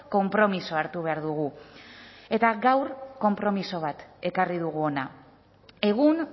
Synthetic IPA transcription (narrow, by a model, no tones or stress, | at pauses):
ko̞mpɾo̞miso̞aɾt̪uβe̞aɾðuɣ̞u | e̞t̪aɡawɾko̞mpɾo̞miso̞β̞at̪e̞kariðuɣ̞uo̞na | e̞ɣ̞un